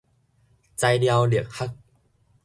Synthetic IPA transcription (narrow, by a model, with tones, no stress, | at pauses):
t͡sa˧jdi˧a˧wli˨˩ək̚ha˦˥k̚